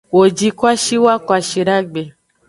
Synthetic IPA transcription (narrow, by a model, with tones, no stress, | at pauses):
wo˨d͡ʒi˦kwa˦ʃi˦wa˦kwa˨ʃi˨ɾa˦ɡ͡be˨